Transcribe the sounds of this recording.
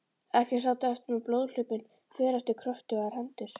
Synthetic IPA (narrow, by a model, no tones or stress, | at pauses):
ɛhcɛ̥saːwt̪aɛft̪mɛploːwðl̥ʏːpɪn | fɛːɾɛft̪ɪkʰɾœft̪ʏɣaɾ̥hɛnt̪ɪɾ̥